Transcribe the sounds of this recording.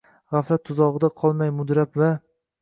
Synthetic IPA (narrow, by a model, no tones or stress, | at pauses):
ʁafɾat̪ʰːʊzɒʁɨd̪aqʰɒlˠmajmʊd̪ɾapva